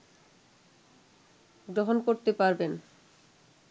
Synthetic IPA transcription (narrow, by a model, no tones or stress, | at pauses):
ɡɾoɦonkoɾt̪epaɾben